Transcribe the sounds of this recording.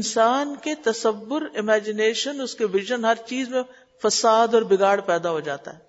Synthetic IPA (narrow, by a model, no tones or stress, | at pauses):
ɪnsaːnket̪ɐsəʋːʊɾɪmɛːd͡ʒɪneːʃənʊskeʋɪʒənɦɐɾt͡ʃiːzmẽ | fɐsaːd̪ɔːɾbɪɡaːɽpɛːd̪aɦod͡ʒa̰ːt̪a̰ɦɛː